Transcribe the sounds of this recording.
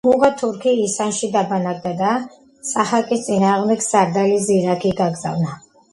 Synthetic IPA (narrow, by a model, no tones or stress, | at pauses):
muʁat̪ʰuɾkʰiːsanʃid̪abanaɡ̚d̪ad̪a | saχalkʼist̪sʼinaːʁmd̪ɛɡsaɾd̪aliziɾakʰiɡaɡza̰vna